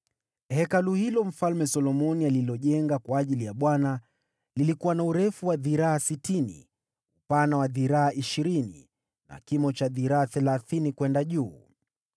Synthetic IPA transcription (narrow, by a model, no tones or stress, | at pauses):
hɛkaluhilɔm̩falmɛsɔlɔmɔnialilɔʄɛŋɡakwaːʄilijaɓwana | lilikuwanauɾɛfuwaðiɾaːsitinḭ | upanawaðiɾaːʔiʃiɾinḭ | na̰kimɔt͡ʃaðiɾaːθɛlaθinikwɛndaʄuː